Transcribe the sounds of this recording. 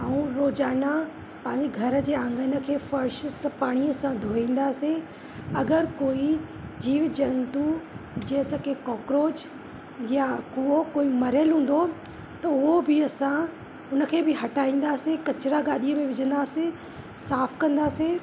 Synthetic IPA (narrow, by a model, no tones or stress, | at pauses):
aːũɾoːd͡ʑaːna | pɐ̃ɦɪ̃ɲd͡ʑeɡʱɐɾ̆d͡ʑeːãːŋɡənə̆kʰeːfɐɾʃspaːɽ̃iəsãd̪ʱoːĩːn̆d̪aːse | ɐɡəɾkoːid͡ʑiːʋd͡ʑɐnt̪ud͡ʑeɦt̪əkekɔːkɾoːd͡ʑ | jakuokoːimɐɾəlɦũːn̆d̪o | t̪ɐʊɦobɪɐsã | ʊnə̆kʰeːbɪɦɐʈaːĩːn̆d̪aːsekɐt͡ɕɪɾaɡaːɗiəmẽʋɪd͡ʑʱə̃nd̪aːse | saːfkɐ̃nd̪aːse